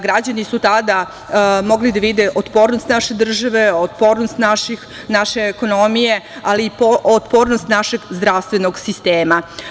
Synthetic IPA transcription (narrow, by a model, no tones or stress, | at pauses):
ɡɾad͡ʑanisut̪ad̪a | mo̞ɡlid̪aʋid̪eʔot̪po̞ːɾnost̪naʃe̞d̪r̩ʒaʋeot̪po̞ːɾnost̪naʃi | naʃeːko̞nomije̞aliːpoot̪poːɾnost̪naʃe̞ɡzd̪ɾaʋst̪ʋenoɡsist̪eːma